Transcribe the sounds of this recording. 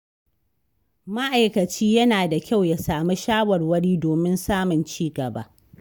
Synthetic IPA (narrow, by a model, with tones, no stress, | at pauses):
ma˦ʔa˨jkɐ˨t͡ʃiː˦jɐ˦naː˨da˨kʲa˦˨wja˨saː˨mu˦ʃaː˦wɐ˨rwɐ˦ɽiː˦doː˨mɪ˦nsaː˦mʊ˨nt͡ʃiː˦ɡɐ˨ba̰˦ʔ